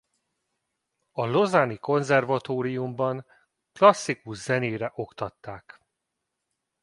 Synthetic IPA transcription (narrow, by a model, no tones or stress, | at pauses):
ɒlo̞zaniko̞nzɛrvɒt̪oːɾijumbɒŋ | klɒsːikuʃz̥ɛneːɾɛʔo̞kt̪ɒt̪ːaːk